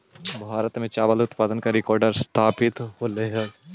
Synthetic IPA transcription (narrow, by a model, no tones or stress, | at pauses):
bʱaːɾət̪mẽt͡ʃaːʋəlʊt̪paːd̪ənkaɾɪkɔːɾɖəɾst̪ʰaːpɪt̪ɦoleɦə